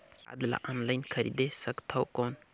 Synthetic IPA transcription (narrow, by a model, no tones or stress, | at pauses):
a̰d̪la̰ʔɔnlajnkʰəɾḭd̪esəkt̪ʰawkon